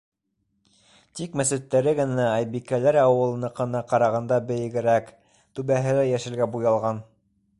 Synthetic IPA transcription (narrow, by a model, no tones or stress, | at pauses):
t̪ikmæsɘ̆t̪ːæɾɘɡɘ̆næɑjbikælæɾɑwɤ̆lˠɤ̆nɤqɤ̆nɑqɑɾɑʁɑnd̪ɑbɘ̆jɘ̆ɡɘ̆ɾæk | t̪ʉβæɦɘ̆læjæʃɘ̆lɡæbujɑlˠʁɑn